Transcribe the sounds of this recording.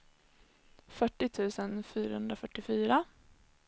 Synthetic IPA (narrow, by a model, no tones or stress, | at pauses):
fœʈːɪt̪ʰʉ̟ːsənfyːɾahɵnd̪ɾafœʈːɪfyːɾa